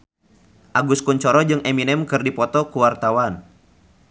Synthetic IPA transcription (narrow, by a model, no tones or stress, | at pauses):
ʔaɡuskuɲt͡ʃɔɾɔd͡ʒɨŋʔɛminɛmkɨrdipɔt̪ɔkuwart̪awan